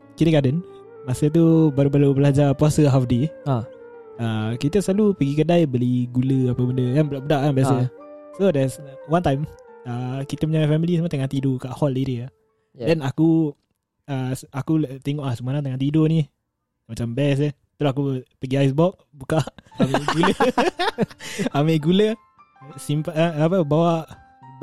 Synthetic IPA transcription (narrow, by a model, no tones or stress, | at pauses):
kit̪əkadən | masət̪̬ubaɾubalubəlad͡ʒapasəɦafde | əkit̪əsəlalupəɡikədajbəliɡuləapəbəndəjaŋbəabədaʔabjas | sodɛswant̪ajməkit̪əməɲaŋaʔfɛmilisəmət̪əŋat̪idokaʔhɔliɾia | dɛnaku | əsakut̪eŋɔʔlahsəmuaɾaŋt̪əŋant̪idoni | mat͡ʃambɛs̬ə | t̪əɾoak̬upəɡiajs̬bɔk̚ | bukaʔameʔɡulə | ameʔɡulə | ʔsimpaapəbawaʔ